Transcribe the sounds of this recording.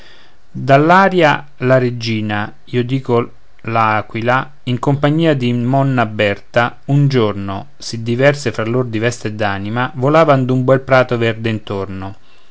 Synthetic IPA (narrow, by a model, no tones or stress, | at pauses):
d̪alːaːɾja | laɾed͡ʒiːna | iːod̪iːko | laaːkwila | iŋkompaɲːiːad̪imɔnːabːɛrt̪aund͡ʒorno̰ | sid̪ːivɛrsefɾalːord̪ivɛst̪ed̪ːaːnimavolaːvand̪umbɛlpɾaːt̪ovɛrd̪eint̪orno